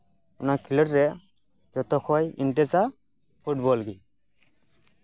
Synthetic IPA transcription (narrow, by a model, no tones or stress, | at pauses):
unakʰiləɾːɛ | d͡ʒɔt̪ɔkʰɔjḭnʈɛt͡sa | pʰuʈbɔlɡi